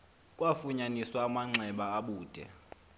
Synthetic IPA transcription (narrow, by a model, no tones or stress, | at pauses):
kʼwafuɲaniswaːmaŋ͡ǀʱɛɓaːɓuːd̥ʱɛ̰